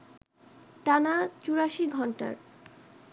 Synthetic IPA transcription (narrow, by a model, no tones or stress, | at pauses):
ʈanat͡ɕuɾaʃiɡʱɔɳʈa̰ɾ